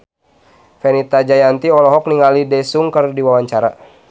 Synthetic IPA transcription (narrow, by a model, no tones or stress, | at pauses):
fɛnit̪ad͡ʒajant̪iɔlɔɦɔk̚niŋalidɛsuŋkərdiwawaɲt͡ʃaɾa